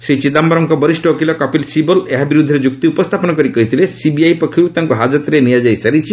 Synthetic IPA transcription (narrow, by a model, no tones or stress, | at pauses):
ʃɾit͡ɕid̪ambaɾɔŋkɔbɔɾisʈɔokilɔkɔpilsibɔleɦabiɾud̪ʱeɾed͡ʒuk̚t̪iupɔst̪ʰapɔnɔkɔɾikɔɦit̪ʰilesibiajpɔkʰːiut̪aŋkuɦad͡ʒat̪ɾeniad͡ʒajsaɾit͡ʃʰi